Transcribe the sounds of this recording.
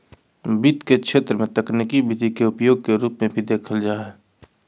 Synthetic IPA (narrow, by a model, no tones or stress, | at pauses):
bit̪kekʃʰeːt̪ɾəmẽt̪əknɪkibɪd̪ʱikeʊpjoːɡ̚keɾuːpmẽbʱid̪eːkʰəld͡ʒaːɦɛː